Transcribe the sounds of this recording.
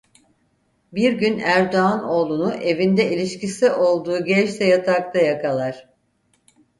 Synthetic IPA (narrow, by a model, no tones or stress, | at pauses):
biɾɟynæɾd̪oano̞ːlˠunuʔe̞vind̪ɛilʲiʃcisiʔo̞lˠd̪uːɟɛt͡ʃt̪ɛjat̪ʰak̚t̪ʰajakʰalˠaɾ̥